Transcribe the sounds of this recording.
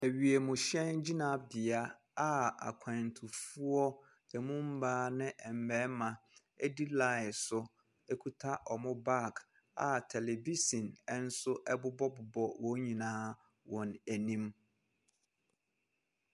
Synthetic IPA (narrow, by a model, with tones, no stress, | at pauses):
æ˨ɥi˨e˨mʊ̃˨ɕɛ̃˦nd͡ʑi˦nã˨bɪ˨a˦ | a˨a̰˨kʷʰã˨n˨tʰʊ˨fu˦ɔ˦ | ɛ˨mũ˦m̩˦baː˦nɪ̃˦ʔɛ˨m̩˨bɛ˨˦mã˨ | ɛ˦di˦la˨ɪ˨sʊ˦ | e˦kʰu˦tʰa˦ʔɔ˨mʊ̃˦ba˦˨k | a˨tʰɛ˨lɛ˨bi˦sĩ˨nɛ˦n̩˦sʊ˦ʔɛ˦bʊ˦bɔ˦bʊ˨bɔ˨wɔ˨˦ɲĩ˨nãː˦ | wɔ̃˨næ˨nĩ˦m